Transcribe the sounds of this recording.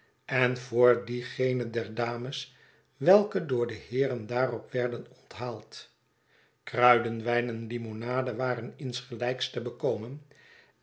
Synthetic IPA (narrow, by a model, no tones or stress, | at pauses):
ɛnvʊːɹdiχejnədɛɹdaːməs | ʋɛlˠkədʊːɹdəhɪːɾəndaːrɔpʋɛɹdənɔntɦaːlˠt | krœɥdənʋɛjnɛnlimonaːdəʋaːɾənɪnsχəlɛjkstəbəkowmən